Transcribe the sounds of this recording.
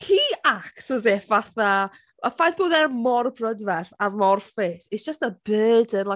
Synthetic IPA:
hiaktʰəzevaθa | əfajθb̥oːðɛrmɔrbrədvɛrθarmɔrfɪsisdd͡ʒ̥əstəbɜːdənlˠa

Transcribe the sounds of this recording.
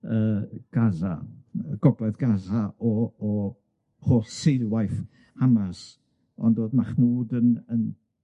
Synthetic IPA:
əːɡ̥aza̰əɡ̥ɔblˠɛðɡazaʔɔː | hoːɬsɪjwajf | hamas | ɔ̰ndoːdmaχnuːdənən

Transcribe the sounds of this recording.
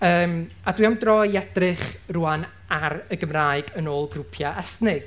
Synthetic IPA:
əːm | adwiawndrɔjɛdrɪχruːan | aɾəɡəmraːɨɡənoːlˠɡrupʰjaʔɛstnɪɡ̥

